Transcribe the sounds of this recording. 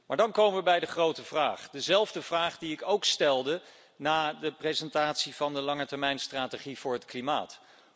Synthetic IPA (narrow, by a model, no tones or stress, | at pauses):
maːɹdɑnkowməʋəbɛjdəχrowtəvraːχdəzɛlˠvdəvraːχdiɪkowkstɛlˠdə | naːdəprejzɛntaːtsiv̥ɑndəlɑŋətɛɹmɛjnstraːteχiv̥ʊːɹɦətklimaːt